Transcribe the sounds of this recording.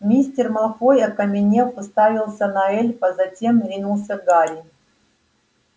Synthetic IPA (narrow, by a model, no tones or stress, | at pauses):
mʲisʲtʲɪrmɐlˠxojɐkɐmʲɪnʲefɨst̪avʲilˠsʲɐnɐɛlʲpɐzɐtʲemɾʲinulˠsʲəɡalʲɪ